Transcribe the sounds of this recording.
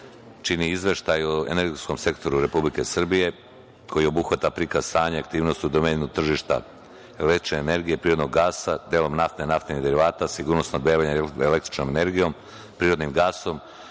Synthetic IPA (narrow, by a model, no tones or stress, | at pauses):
t͡ʃiniizʋe̞ʃt̪ajuḛne̞ɾɡesko̞mse̞kt̪o̞ɾuɾe̞publike̞sr̩bije̞ | kʰo̞jio̞buxʋat̪apɾikazsaːɲeak̚t̪iːʋno̞st̪ud̪omeɲenut̪r̩ʒiʃt̪a̰ | elekt̪ɾi̥t͡ʃne̞ːne̞ɾɡije̞pɾiːɾo̞d̪noɡːaːsad̪eːlo̞mnaft̪nenaft̪enid̪eɾiʋaːt̪asiɡuɾnosnod̪beːʋaɲeele̞kt̪ɾit͡ʃnomene̞ɾɡijo̞m | pɾiːɾo̞d̪nimɡaːso̞m